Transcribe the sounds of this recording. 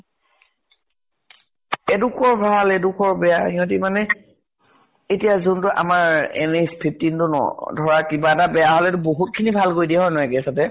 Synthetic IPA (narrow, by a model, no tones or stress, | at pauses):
ɛdukʰɔɹbʱalɛdukʰɔɹbɛjaiɔ̃timanɛ | etijazuntʊʔa̰maɹɛ̰nespʰip̚tintʊnɔ̰dʱɔɹakibaɛtabɛjaɦolɛtʊboɦut̚kʰinibʱalkojdiaɦɔjnɔɛkɛsatɛ